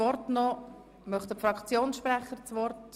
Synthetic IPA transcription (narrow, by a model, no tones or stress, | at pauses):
ɔrtnɔ | mœχtdəfɾɑkt͡sjoːnsʃpɾɛχəɾt͡sʋɔrt